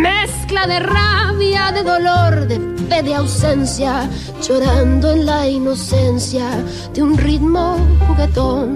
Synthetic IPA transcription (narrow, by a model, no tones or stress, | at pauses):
mesklaðeraβjaðeðoloɾðepeðeawsensja | d͡ʒoɾand̪oenlainosensja | d̪eunrit̪moket̪on